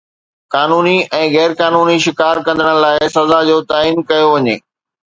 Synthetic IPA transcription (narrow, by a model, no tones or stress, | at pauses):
kaːnuːniɛ̃ːɣɛːɾkaːnuːniʃɪkaːɾkɐ̃nd̪əɽ̃laːɪsɐzad͡ʑoːt̪aːiːnkɐjoʋɐɲḛː